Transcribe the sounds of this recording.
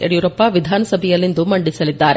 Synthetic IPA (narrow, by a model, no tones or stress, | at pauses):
ɛ̰ɾjʊɾɐpːaːʋɪd̪ʱaːnɐsɐbɐjɐlɪnd̪ɯmːɐɳɖɪsɐlɪt̪ːaːɾ